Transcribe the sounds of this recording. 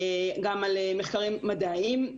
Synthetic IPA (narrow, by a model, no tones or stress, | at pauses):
eɡamalemeχkaʁimːad̪aim